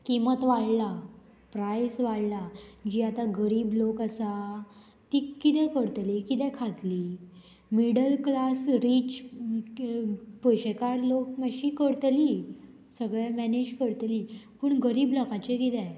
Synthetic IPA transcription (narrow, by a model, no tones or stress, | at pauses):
kimət̪ʋaɽla | pɾajsʋaɽlad͡ʑiːat̪aɡəɾiːblokasa | t̪iːkːit̪ɛ̃kəɽt̪likit̪ɛ̃kʰat̪liː | miɽəlklasɾit͡ɕ | pojɕekaɾlok̚məɕikəɽt̪li | səɡɭɛmɛned͡ʑkəɽt̪liːpəɳɡəɾiːblɔkãt͡ɕekit̪ɛ̃